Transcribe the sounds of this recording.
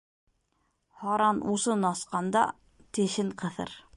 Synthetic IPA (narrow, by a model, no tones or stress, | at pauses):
hɑɾɑnusɤnɑsqɑnd̪ɑ̰ | t̪ĕʃɘŋqɤ̆θɤ̰ɾ